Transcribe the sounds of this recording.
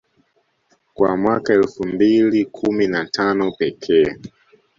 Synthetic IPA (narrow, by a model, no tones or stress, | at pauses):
kwa̰mwakaɛlfumbilikʰuminatʰanɔpɛkʰɛː